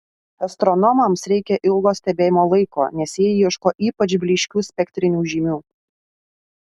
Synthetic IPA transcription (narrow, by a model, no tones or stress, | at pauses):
ɐst̪ɾɔnɔmɐmsɾʲɛɪkʲɛʔɪlˠɡoːsʲt̪ʲɛbʲeːjɪmoːlˠɐɪko̰ːnʲɛsʲjiɛjiɛʃkoːʔiːpɐt͡ʃʲbʲlʲɪʃʲkʲuːsʲpʲɛkʲt̪ʲɾʲɪnʲuːʒʲiːmʲuː